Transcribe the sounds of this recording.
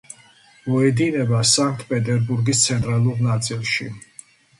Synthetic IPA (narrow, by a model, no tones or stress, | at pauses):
mɔɛd̪inɛbasaŋk̚ʰt̪ʰpʼɛt̪ʼɛɾbuɾɡist̪sʰɛnt̪ʼɾalˠuɾnat̪sʼilˠʃḭ